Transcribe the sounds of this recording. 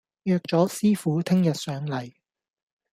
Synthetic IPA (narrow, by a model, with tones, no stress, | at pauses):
jœː˧k̚t͡ʃɔː˨˥siː˥fuː˨˥t̪ʰɪ˥ŋjɐ˨t̚sœː˨˥ŋlɐ˨˩j